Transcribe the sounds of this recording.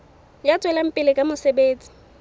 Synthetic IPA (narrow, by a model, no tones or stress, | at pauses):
jat͡sʼwɛlam̩pʼɪlɪkʼamʊsebeːt͡sʼi̥